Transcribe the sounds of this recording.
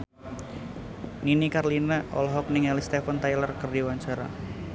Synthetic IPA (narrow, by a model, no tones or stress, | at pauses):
ninikarlinaʔɔ̰lɦɔk̚niŋɛlist̪efant̪ajlərkərdiwaɲt͡ʃaɾa̰